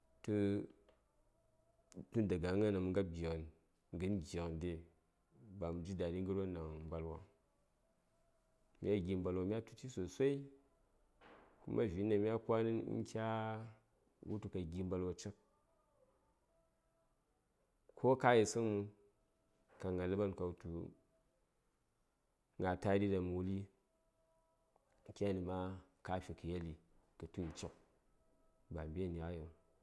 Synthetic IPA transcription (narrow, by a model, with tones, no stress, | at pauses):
tu˧ | tu˦n˦da˨ɡa˨˦ŋa˦na˨mu˨ŋɡa˦bʲi˨n | ŋ˨ɡɨ˦n˦ɡʲi˨knde˨ | ba˨m˨d͡ʒi˦da˨ni˦ŋ˦ɡɨ˦ɾo˦na˨ŋm̩˦ba˨lwa̰˨ | mḭ˦a˦ɡʲi˨m̩˦ba˧lwa˨mʲ˦a˦tu̥˨˦t͡ʃi˦so˨sʷa˦i˦ | kṵ˦ma˦vʲi˨˦na˨mʲ˦a˦ka˦ni˦n̰̩˦kʲa˦ | wṵ˦tu˨ka˨ɡʲi˨m̩˦ba˧lwa˨t͡ʃe˦k̚ | kʰo˦ka˦ji˨sɨ˦ŋmu˦ | ka˨ŋa˨lɨ˦ba˦nka˨u˦tu˨˦ | ŋɡa˨ta˦di˦da˨m˨u˨li˦ | ŋ̩˦kʲa˦a˦˨ni˨ma˦ | ka˦pʲi˨ki˨je˦li˨kɐ˨tu˦ji˨t͡ʃo˨k̚ | ba˨m˨bʲe˦˨n˨a˦jo˨ŋ